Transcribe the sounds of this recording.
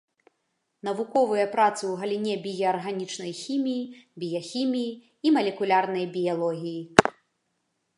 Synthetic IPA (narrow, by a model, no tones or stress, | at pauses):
n̪ɐvukɔvɨjɐpɾat̪sɨwɣɐlʲinʲɛbʲijɐːrɣanʲit͡ʂnɐjxʲimʲijibʲijɐxʲimʲijiː | mɐlʲɛkulʲarnɐjbʲijalˠɔɣʲiji